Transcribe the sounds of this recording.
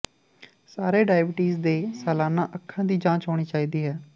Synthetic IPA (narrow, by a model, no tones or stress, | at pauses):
saːɾeːɖaːɪbɪʈiːzd̪eːsɛːlaːnãːʔəkʰːãːd̪iːd͡ʒãːt͡ʃɦɔːɽ̃iːt͡ʃaːiːd̪iːɦɛː